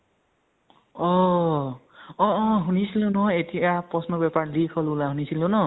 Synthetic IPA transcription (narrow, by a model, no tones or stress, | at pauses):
ɔ | ɔ̃ːɦunisilonʌet̪ʰiapʌsnʌbjaparlikʰʌlulaɦunisilonʌ